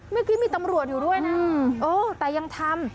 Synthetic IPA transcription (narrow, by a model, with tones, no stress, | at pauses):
ma˥˩jkʰiː˦˥miː˧t̪a˧mɾu˨˩ət̪̚juː˨˩du˥˩əjna˦˥ʔoː˧˩t̪ɛː˨˩ja˧ŋt̪ʰa˧m